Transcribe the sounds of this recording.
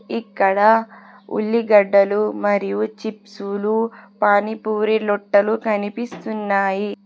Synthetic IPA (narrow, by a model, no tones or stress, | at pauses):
ikːɐɽɐ | ṵɭːiɡɐɖːɐlumɐɾijut͡ʃipsulupaːnipuːɾilɔʈːɐlukɐnipist̪unːaːji